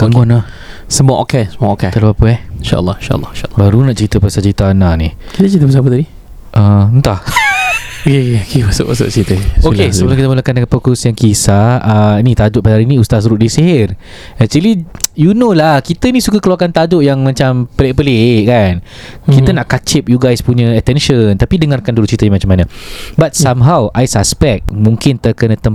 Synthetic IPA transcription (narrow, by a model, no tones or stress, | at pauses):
kaŋɡɔnahsəmuaʔo̰kɛsəmaʔokɛt̪alapapəɛhinʃa̰ʔə̰lːɑinʃa̰ə̰lːˠɑ̰iʃabaɾunaʔt͡ʃəɾit̪əpasat͡ʃɾit̪aːnanihkit̪ət͡ʃəɾit̪əp̬əsapət̪adi | ʔəənt̪ah | keokewasʊ̰ʔwasʊ̰ʔt͡ʃəɾit̪əsokesəbəlakit̪əmulakandəkanpokʊsjaŋkisaənit̪ad͡ʒʊʔpadɦaɾinĩust̪as̬ɾuʔdiseɦɪr | ɛk̚t͡ʃ̪əlijunõlahkit̪ənĩsukakəluakant̪ad͡ʒʊʔjaŋmãt͡ʃampəlɪʔpəleʔkan | kiənaʔkat͡ʃɪp̚juɡajspuɲə̃ət̪ɛnʃənt̪apidəŋarkanduluʔt͡ʃɾit̪əjãmat͡ʃamːanə̃bat̪̚samɦawʔajsaspɛk̚mũŋkɪnt̪əkənə̃t̪əm